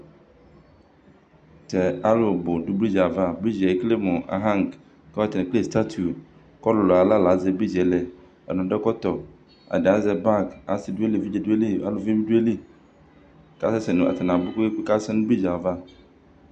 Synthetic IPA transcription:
t̪ɛ˨a˦lo˨bo˨ɖu˦bli˦d͡ʒa˨va˦bi˦d͡ʒɛ˨˦kle˦mõ˨ʔa̰˨ɦã˦ŋk | kɛ˦a˦t̪e˨nɛ̃˨kle˦˨st̪a˦t̪ʰu˨ | kɔ˦lo˨lo˨a˨la˦la˨ze˨bi˦d͡ʒɛ˨lɛ˨ | ɛ̰˨nɔ̃˨ɖɛ˦kɔ˦t̪ɔ˨ | a̰˨ɖɛ˨a˦zɛ˨˦ba˦ka˨si˨du˦e˦li˨vi˦d͡ʒɛ˨du˦e˦li˦˨a̰˦lo˨vi˦i˦du˦e˦li˦ | ka˦sɛ˦sɛ˨nũ˨a̰˨t̪e˨nã˨bu˦ku˦k͡pe˦ka˦sɛ˦nũ˦bli˦d͡ʒa˨va˦

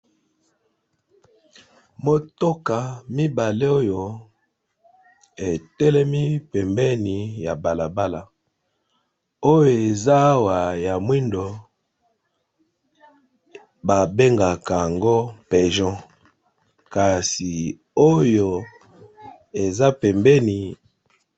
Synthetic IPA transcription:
mo˦to˦ka˨mi˦ba˨le˦o˦jo˨ | e˨tɛ˦lɛ˦mi˦pɛ˨mbɛ˦ni˨ja˨ba˨la˨ba˦la˨ | o˦jo˨e˨za˦wa˨ja˨mwi˦ndo˨ | ba˨be˦ŋɡa˨ka˨a˨ŋɡo˦pɛ˨ʒɔ̃˦ | ka˨si˨ | o˦jo˨ | e˨za˦pɛ˨mbɛ˦ni˨

